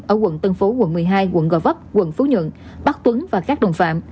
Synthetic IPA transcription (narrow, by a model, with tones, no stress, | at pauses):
ʔəː˧˩kwə̰˧˨nt̪ə˧nfo˨˦wə̰˧˨nmɨ˨˩əjɦaː˧jɣwə̰˧˨nɣɔ̰˧˩və˦˥p̚kwə̰˧˨nfu˨˦ɲwə̰˧˨n | ɓa˦˥k̚t̪wə˨˦ŋvaː˨˩kaː˦˥k̚ɗə˨˩wŋ͡mfa̰ː˧˨m